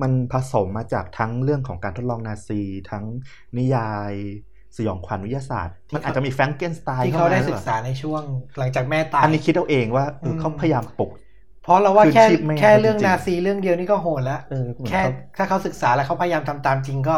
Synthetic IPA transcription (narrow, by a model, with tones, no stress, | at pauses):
ma˧npʰa˧so˩˦mːaː˧t͡ɕaː˨˩k̚t̪ʰa˦˥ŋɾɯ˥˩əŋkʰɔː˩˦ŋkaː˧nt̪ʰo˦˥t̪̚lɔː˧ŋnaː˧siː˧t̪ʰa˦˥ŋ | ni˦˥jaː˧j | sa˧jɔ̰ː˩˦ŋkʰwa˧nwi˦˥jaː˧sa̰ː˨˩t̪̚ma˧nʔaː˨˩t͡ɕːa˨˩miː˧fɛ˦˥ŋke˥˩nst̪aː˧iː˥˩kʰa˦˥wdaː˥˩sk̚saː˩˦na˧jt͡ɕʰu˥˩əŋla˩˦ŋt͡ɕaː˨˩k̚mɛː˥˩t̪aː˧a˧nːiː˦˥kʰi˦t̪̚ʔa˧wʔeː˧ŋwaː˥˩ʔɤː˧kʰa˦˥wpʰa˧ja˧jaː˧mp̪u˨˩k̚ | pʰɔ˦˥la˧waː˥ɯ˧kʰɛːt͡ɕʰi˦˥ma˦˥kʰɛː˥˩ɾɯ˥˩əŋnaː˧siː˧ɾɯ˥˩əŋdi˧əwniː˥˩kɔː˥˩ɦoː˨˩t̪̚lɛ˦˥ʔʔɤː˧mʰ˩˦ɛː˥˩˥t̪ʰaː˥˩kʰa˦˥wsɯ˨˩k̚saː˩˦lɛ˧˦˥wkʰa˦˥wpʰa˧ja˧jaː˧mt̪ʰa˧mt̪aː˧mt͡ɕi˧ŋkɔː˥˩